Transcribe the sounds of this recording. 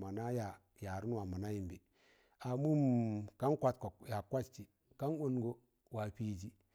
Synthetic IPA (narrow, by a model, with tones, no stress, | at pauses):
ma˨na˦ja˨ | ja˨ɾu˦n˦wa˨ma˨na˦ji˨mbi˨ | a˨mu˦mka˦nkʷa˦tko˨ja˨kwa˦t͡ʃt͡ʃi˨ | ka˦no˦nɡo˦ | wa˨pi˦d͡ʒi˦